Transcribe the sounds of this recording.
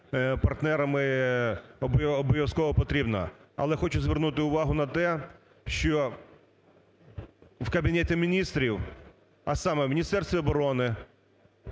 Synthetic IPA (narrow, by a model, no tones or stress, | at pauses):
pɐrt̪nɛɾɐmɪ | ɔbɔbɔjʲɔskɔʋɔpɔt̪ɾʲibnɐ̰ɐ̰lˠɛxɔt͡ʃʊzʋʲɛrnut̪ɪʊʋɑɦʊnɐt̪ɛ | ʃt͡ʃɔ | wkɐbʲinɛtʲɪmʲinʲist̪ɾʲiw | ɐ̰sɑmɛwmʲinʲist̪ɛrsʲt̪ʋʲiɔbɔɾɔnɪ